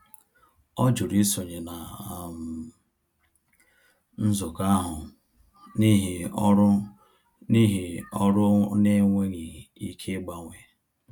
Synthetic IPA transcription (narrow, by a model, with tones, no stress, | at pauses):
ɔ˦d͡ʒʊ˨ɾi˦so˨ɲe˨na˨m̩˨ | n̩˦zʊ˨ka˦ɦʊ˨ | ni˦ɦi˨˦ɾ | ni˦ɦi˨ɔ˦ɾʊ˦ne˦ŋʷe˦ŋi˨i˦kʰe˦ɡ͡ba˨ŋʷe˨